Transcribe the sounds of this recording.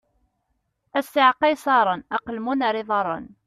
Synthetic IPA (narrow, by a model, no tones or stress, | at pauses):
æsːɪʕqɑjsˤɑɾˤənɑqəlmunɾɪðˤɑɾˤːə̰n